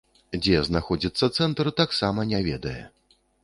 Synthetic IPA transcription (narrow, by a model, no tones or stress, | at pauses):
d͡zʲɛznaxɔd͡zʲit̪sːɐt̪sɛnt̪ɾɨt̪aksamɐnʲɛvʲɛd̪ɐjɛ̰